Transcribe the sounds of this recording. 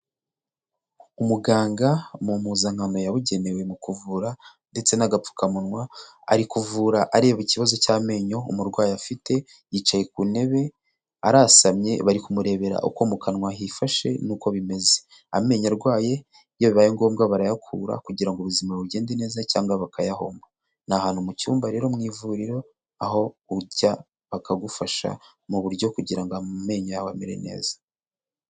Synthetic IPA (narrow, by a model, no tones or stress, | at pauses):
umuɡaːŋɡamumuːzaŋ̥anojaβuɟe̞ne̞we̞mukuvuːɾande̞t͡se̞naɡap͡fu̥kamunŋwa̰ː | ɾikuvuːɾaʔaɾeβociβazo̞caːme̞ːɲo̞umuɾɡwaːjafite̞ | jiːt͡ʃaje̞k̚une̞βe̞ | aɾasamɲe̞̰βaɾikumuɾe̞βe̞ɾa̰ʔṵkomukanŋwaɦifaʃe̞̰nuːko̞βime̞ze̞̥ | a̰me̞ɲaɾɡwaːje̞ | joβiβajeŋɡo̞ːmɡaβaɾajakʰuɾa̰kuɟiɾaŋɡoβuzimaβuɾɟe̞ːndene̞ːzacaːŋɡaβakʰajaho̞ːmba | nahaːnhumucuːmbaɾe̞ːɾo̞mŋiːvuɾiɾo̞ | aɦo̞uɟa | βakaɡufaʃa̰ | muβuɾɟo̞kuɟiɾaŋɡoame̞ːɲajawameɾe̞̰ne̞̰ːz̥ḁ